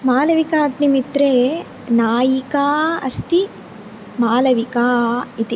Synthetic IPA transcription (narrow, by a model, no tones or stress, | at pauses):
maːlɐʋikaːknimit̪ɾeː | naːjikaːɐ̰st̪i | maːlɐʋikaːit̪i